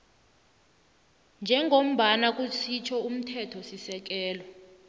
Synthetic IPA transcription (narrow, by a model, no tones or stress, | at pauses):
nd͡ʒʱɛŋʱom̩ɓanak̬ʼusʰit͡ʃʰɔum̩tʰɛtʰɔsisɛk̬ɛːlɔ